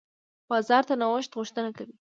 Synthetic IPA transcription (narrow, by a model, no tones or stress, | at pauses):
b̥ɑzɑɾt̪anawəʃt̪ɣʊʃt̪ənakawi